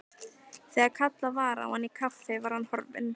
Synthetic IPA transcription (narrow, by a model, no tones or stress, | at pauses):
θɛɣakʰat̪lavaːɾa̰ɔ̰hanːikʰafɪvaɾ̥hanhɔɾvɪ̰n